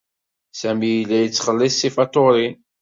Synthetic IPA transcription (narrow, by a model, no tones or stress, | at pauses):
sæmijlːæjət͡sːχəlːɪsːifɑt̪ˤoɾi